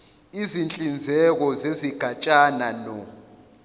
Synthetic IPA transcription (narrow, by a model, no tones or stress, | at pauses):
izint͡ɬʼind͡zʱɛk̬ɔzeziɡ̥ʱat͡ʃʼananɔ